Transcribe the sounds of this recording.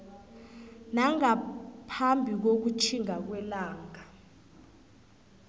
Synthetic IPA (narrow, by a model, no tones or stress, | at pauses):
naŋapʰambʱik̬ok̬ut͡ʃʰiŋak̬wɛlaːŋa